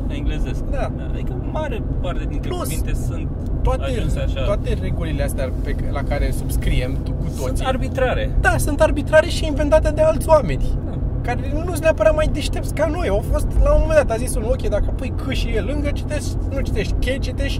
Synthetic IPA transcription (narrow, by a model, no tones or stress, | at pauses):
iŋɡlezesk̚d̪a | a̰d̪ikəmaɾepart̪ed̪int̪lusvint̪esunt̪ː | oat̪eoat̪e̞re̞ɡulileast̪eapelakaɾe̞subskɾiem | kut̪osiarbit̪ɾaɾḛd̪asunt̪arbit̪ɾaɾe̞ʃiinve̞nt̪at̪e̞d̪e̞alt̪sʲwame̞nʲakaɾenusneapəɾamajd̪eʃt̪e̞p̚t̪sʲkano̞jawfo̞st̪lamoomend̪at̪azisunokʲejd̪akəpujkʰɨʃijelɨŋɡət͡ʃi̥t̪eʃt͡ʃt̪ʲnut͡ʃi̥t̪e̞ʃt̪ʲkʲelt͡ʃit̪eʃt̪ʲ